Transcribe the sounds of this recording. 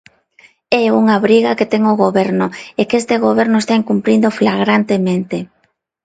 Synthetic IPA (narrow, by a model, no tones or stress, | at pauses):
ɛuŋaβɾiɣaket̪ɛŋoɣoβɛɾnʊekest̪eɣoβɛɾnʊest̪aiŋkumpɾind̪oflaɣɾant̪emẽnt̪e